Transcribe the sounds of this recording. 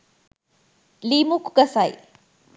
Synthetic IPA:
limukɡɐsaj

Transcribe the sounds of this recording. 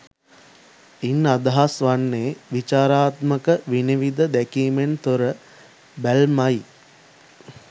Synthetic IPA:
inːad̪ɐɦasʋanːeːʋit͡ʃaːɾaːt̪məkəʋiniʋid̪əd̪ækiːment̪oɾə | bælmaj

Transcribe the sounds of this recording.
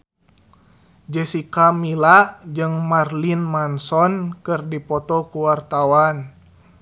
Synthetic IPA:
d͡ʒɛsikamilad͡ʒɨŋmarlinmansɔnkɨrdipɔt̪ɔkuwart̪awan

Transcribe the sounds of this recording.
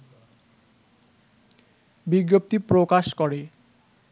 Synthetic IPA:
biɡːop̚t̪ipɾokaʃkɔɾe

